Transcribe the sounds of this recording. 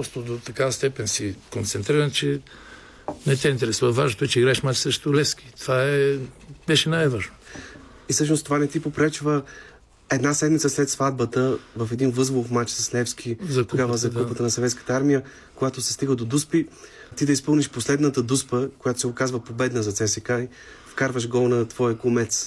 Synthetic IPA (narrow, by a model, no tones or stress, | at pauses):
pɾɔst̪od̪ot̪ɐkavɐst̪ɛpɛnsikont̪sɛnt̪ɾiɾənt͡ʃɛ | nɛt̪ɛint̪ɛɾɛsuvɐvaʒnot̪oɛt͡ʃɛiɡɾaɛʃmat͡ʃsəʃt̪olɛski̥t̪ovaɛbɛʃɛnajvaʒno | isɤʃ̬nost̪ovanɛt̪ipopɾɛt͡ʃvə | ɛd̪nasɛd̪mit̪səslɛt̪svad̪̚bət̪əvəfɛd̪invɤzvofmat͡ʃsɐslɛfskʰizt̪oɡavəzɐkupət̪ənɐsɛvɛt̪skə̥t̪əaɾmijə | koɡat̪ʊsɛ̥st̪iɡəd̪od̪uspi | t̪id̪ɐispɤlˠniʃposlɛd̪nət̪əd̪uspəkojat̪o̥sɛokazvəpobɛd̪nəzɐt̪sɛsɛkai | fkaɾvəʃɡɔlˠnɐt̪vɔjəkomɛt̪s